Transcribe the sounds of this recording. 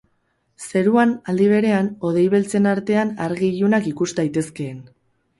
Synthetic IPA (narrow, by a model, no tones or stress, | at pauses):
se̞ɾuanald̪iβ̞e̞ɾe̞ano̞ð̞e̞jβ̞elt͡se̞naɾt̪e̞anaɾɣiʝunakikust̪ajt̪e̞ske̞ːn